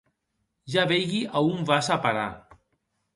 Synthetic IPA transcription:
ʒaβejɣiʔaumvasapaɾa̰

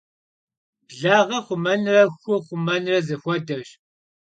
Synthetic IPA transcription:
bɮaːʁɐχʷʊmɐnrɐxxʷʊχʷʊmɐnrɐzɐxʷɔdɐɕ

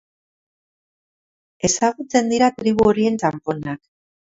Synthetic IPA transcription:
e̞saɣut͡se̞nd̪iɾat̪ɾiβ̞uoɾie̞nt͡ʃampo̞nak

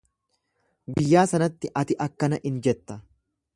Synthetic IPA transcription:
ɡɪjːaːsɐnɐt̪ːɪʔɐt̪ɪʔɐkːɐnɐʔɪnd͡ʒɛt̪ːɐ

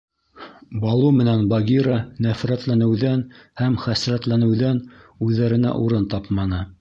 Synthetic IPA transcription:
bɑlˠumɘ̆nænbɑɡʲiɾɑnæfɾæt̪lænɘ̆wðænhæmχæsɾæt̪lænɘ̆wðæn | ʉðːæɾɘ̆næ̰ʔuɾɤnt̪ɑpmɑnɤ

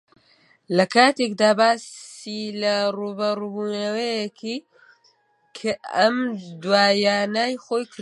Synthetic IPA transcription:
lɐkʰaːt̪ekd̪aːbaːsilɐruːbɐɾubuːnɐwɐjɛkʰi | kʰaɐmd̪waːjaːnaːjxoːjkɾ

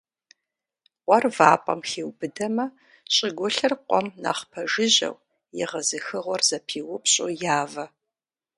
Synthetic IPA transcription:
qʷʼɔrvaːpʼɐ̰mxeːwbɨdɐmɐ | ɕʼɪɡʷɔɬɨrqʷɔmna̰ːχpʰɐʒɪʑɐ̰w | jɪ̰ʁɐzɨxɨʁʷɔrzɐpʰiːwʊpɕʼojaːvɐ

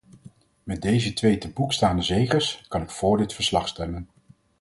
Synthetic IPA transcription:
mɛt̚dejzətʋejtəbukstaːndəzejχəskɑnɪkfʊːɹdɪtfəɹslɑχstɛmən

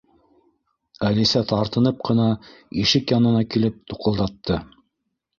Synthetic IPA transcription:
ælisæt̪ɑɾt̪ɤ̆nɤp̚qɤ̆nɑiʃɘkjɑnɤ̆nɑkilɘp̚t̪uqɤ̆lˠd̪ɑt̪ːɤ

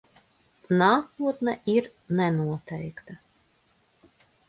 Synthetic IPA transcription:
naːkuɔt̪nɛʔiɾ | nɛnuɔt̪ɛjkt̪a

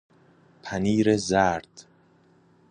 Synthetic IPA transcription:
pʰæniːɾezæːɾd̪̥

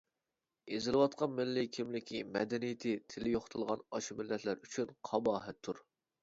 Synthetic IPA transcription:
ezɪlɨwɑt̪̚qʰɑnmɪlːɪkʲʰimlɪkʲʰimɛ̰d̪ɛnijɪt̪ʰɪt̪ʰɪlɪjoχʊ̥t̪ʰɨlˠʁɑnɑʃmɪlːɛt̪ʰlæɾyt͡ʃʰynqʰɑbɑːɦɛt̪ʰːuɾ

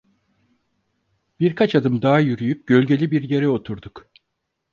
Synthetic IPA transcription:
b̥iɾkʰat͡ʃad̪ɯmd̪aːajyɾyjyp̚ɟø̞lʲɟe̞lʲibiɾje̞ɾɛo̞t̪ʰuɾd̪uk

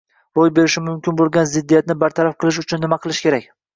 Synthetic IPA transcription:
ɾojbe̞ɾɪʃɪmʊmkʲʰɪnbolˠɡʲanzɪd̪ːijat̪̚nɪbaɾt̪ʰaɾafqʰɨlˠɪʃ̬ʊt͡ʃʰʊnːɪmaqʰɨlˠɪʃkʲʰe̞ɾak̚ʲ

